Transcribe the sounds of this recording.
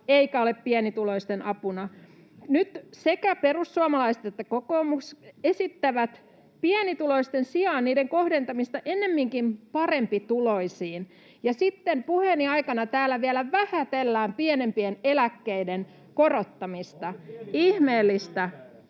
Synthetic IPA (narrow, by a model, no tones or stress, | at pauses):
eikæoleppiɛnit̪uloist̪enʔɑpunɑ | nyt̪sekæperusːuɑmɑlɑisĕ̥t̪et̪ːækokoːmuksesit̪ːæʋæt̪ | piænit̪uloist̪ensiɑːnniːdeŋkohdent̪ɑmist̪ɑʔenːemːiŋkimpɑrempit̪uloisiːn | jɑsit̪ːempuheniɑikɑnɑt̪æːlæʋiælæʋæhæt̪elːæːmpiænempienelækːeiden | korot̪ːɑmist̪ɑihmeːlːist̪æ